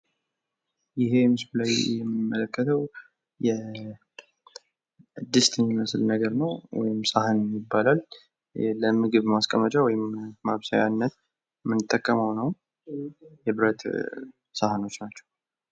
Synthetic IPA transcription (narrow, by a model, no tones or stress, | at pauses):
jɪɦe̞mɨsblajjɛmːɨmːələkːət̪ʰəw | jɛ | ɨd̪ːɨst̪ʰɨnməsɨlnəɡəɾnəwwɔ̰jɪmsʼahɨnmjɪbːalal | ləmɨɡɨβmaskʼəmət͡ʃʼawɔjɪmːaβsajanːət̪̚ | mɨnɨt̪ʼːəkʼːəməwnəw | jɛβɨɾət̪ | sahano̞t͡ʃːnat͡ʃːɛ̥w